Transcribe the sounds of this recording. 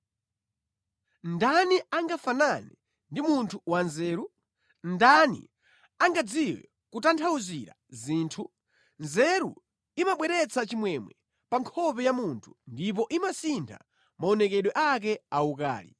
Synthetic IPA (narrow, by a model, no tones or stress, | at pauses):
ndaniaŋɡafanani | ndimuntʰuwanzɛːɾu | ndanḭ | aŋɡad͡ziwɛ̰ | kutantʰauziɾa̰ziːntʰu | nzɛɾṵ | imaɓwɛɾɛt͡sʰat͡ʃimwɛmwɛ | paŋkʰɔpɛjamuntʰu̥ndip̬ɔʔimasintʰa̰ | maɔnɛkɛɗwɛʔak̬ɛauka̰ːlḭ